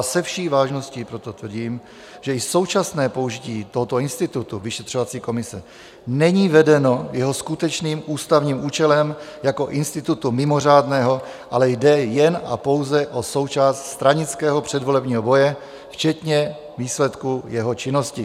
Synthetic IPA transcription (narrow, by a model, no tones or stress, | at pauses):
sɛfʃiːvaːʒno̞sciːpɾot̪o̞t̪vr̩ɟiːm | ʒ̥ɛɪso̞wt͡ʃasnɛːpo̞uʒɪciːt̪oɦo̞t̪o̞ɪnst̪ɪt̪ut̪uvɪʃɛt̪r̝̥o̞vat͡siːko̞mɪsɛ | nɛɲiːvɛdɛno̞jɛɦoskut̪ɛt͡ʃniːmʔuːst̪avɲiːmuːt͡ʃɛlɛmjako̞ʔɪnst̪ɪt̪ut̪umɪmo̞r̝aːdnɛːɦo̞ | ʔalɛjdɛjɛna̰po̞wzɛʔo̞so̞wt͡ʃaːst̪st̪ɾaɲɪt͡skɛːɦo̞pr̝̥ɛdvo̞lɛbɲiːɦobo̞jɛ | ft͡ʃɛt̪ɲɛ | viːslɛt̪kujɛɦo̞t͡ʃɪno̞scɪ